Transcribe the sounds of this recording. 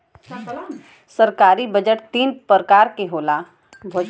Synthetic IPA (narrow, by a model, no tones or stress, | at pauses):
sɐɾkaːɾibəd͡ʒəʈt̪iːnpəɾkaːɾkeɦoːla | bʱoː